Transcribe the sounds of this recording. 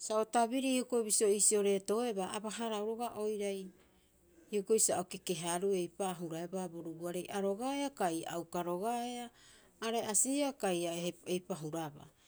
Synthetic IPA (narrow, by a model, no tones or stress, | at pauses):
saotabiɾiokobisio̞isio̞ɾe̞to̞e̞baːbaɦaɾawɾo̞ɡaʔo̞jɾaj | ioko̞ijsaoke̞ke̞ɦaɾue̞jpaɦuɾaebaboɾubuaɾe̞jʔaɾo̞ɡaeakajawkaɾo̞ɡaeaː | ɾe̞ʔasiakajaejpaɦuɾaba̰